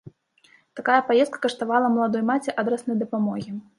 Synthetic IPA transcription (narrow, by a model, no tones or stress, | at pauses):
t̪akajɐpajɛt̪̚kɐ̥kɐʂt̪avalˠɐmɐlˠad̪ɔjmat͡sʲiʔad̪ɾɛsnɐjd̪ɐpamɔɣʲi